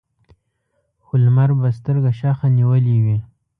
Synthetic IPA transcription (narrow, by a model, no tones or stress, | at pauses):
xʊlmaɾbas̬t̪əɾɡaʃaxaniwəliwi